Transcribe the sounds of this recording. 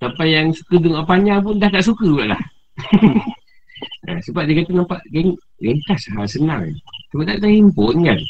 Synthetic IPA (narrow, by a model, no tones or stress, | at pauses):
sapajaŋsu̥kədəŋaʔpaɲap̬ʊndahkaʔsukəbuaʔla̰h | ə̰səbap̚dikat̪unampaʔɡɛŋ | ɡeŋkasɦalsəna̰ŋ̰səbaʔt̪aʔt̪aimponɡan